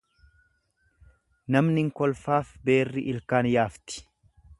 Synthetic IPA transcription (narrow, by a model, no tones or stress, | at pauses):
nɐmnɪŋkɔlfaːfbe̞ːrːɪʔɪlkaːnjaːft̪ɪ̥